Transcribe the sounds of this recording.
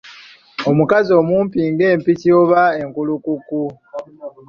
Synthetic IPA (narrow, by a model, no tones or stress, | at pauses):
o̞mukazio̞muːmpiːŋɡe̞ːmpicioβae̞ŋkulukuku